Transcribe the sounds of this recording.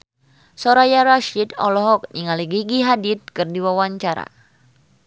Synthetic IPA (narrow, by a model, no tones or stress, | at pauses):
sɔɾajaɾaʃidɔ̰lɔɦɔk̚niŋaliɡiɡiɦadit̪̚kɨrdiwawaɲt͡ʃaɾa̰